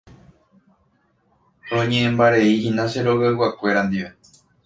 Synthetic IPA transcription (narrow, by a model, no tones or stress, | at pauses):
õɲẽ̞ʔẽmbaɾe̞ihĩnãʃeɾo̞ɣewakʷe̞ɾand̪iʋe